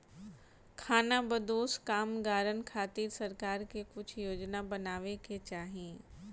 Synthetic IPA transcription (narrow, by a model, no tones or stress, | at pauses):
kʰaːnabəd̪oːskaːmɡaːɾənkʰaːt̪iːɾsɐɾkaːɾkekʊt͡ʃʰjoːd͡ʒnabɐnaːʋekʰet͡ɕaːɦĩː